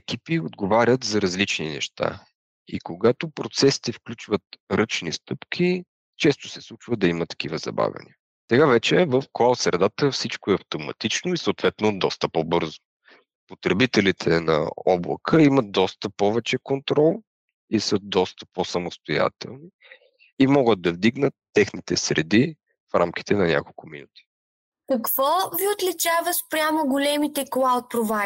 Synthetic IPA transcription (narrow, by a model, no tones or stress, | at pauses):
ɛkipiod̪ɡovaɾʲət̪zɐɾɐzlit͡ʃninɛ̰ʃt̪a̰ | ḭkoɡat̪opɾot̪sɛsi̥t̪ɛfklʲut͡ʃvət̪ɾɤt͡ʃnist̪ɤpk̟ʰi | t͡ʃɛst̪ʊ̥sɛslˠut͡ʃvəd̪ɐimət̪ːɐ̥k̟ivəzɐ̰ba̰vʲɐ̰nḭə | sɛɡavɛt͡ʃɛvəfkaw̪sɾɛd̪at̪əfsit͡ʃkoɛɐft̪omɐ̰t̪it͡ʃnoisoʊt̪vɛt̪nod̪ɔst̪əpobɤɾzo | pot̪ɾɛbit̪ɛlit̪ʰɛnɐ̰ɔblˠə̰kʰəimət̪̚d̪ɔst̪əpɔvɛt͡ʃɛkont̪ɾɔlˠ | isɤd̪ɔst̪ə̥posɐmost̪oja̰t̪ɛ̰lˠni | imɔɡət̪̚d̪ɐvd̪iɡnət̪ːɛxnit̪ɛsɾɛd̪i | fɾa̰mk̟i̥t̪ɛnɐnʲa̰kolˠkʊminut̪i̥ | kɐkv̥ɔviot̪lit͡ʃavəspɾʲjamoɡʊlɛmit̪ɛklˠawt̪̚pɾova